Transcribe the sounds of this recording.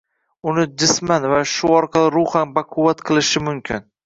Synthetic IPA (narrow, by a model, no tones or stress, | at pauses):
ʊnɪd͡ʒɪsmanvaʃʊɒɾqʰɑlɪɾʊhanbakʰʊvat̪qʰɨlˠɪʃɪmʊmkʲʰɪn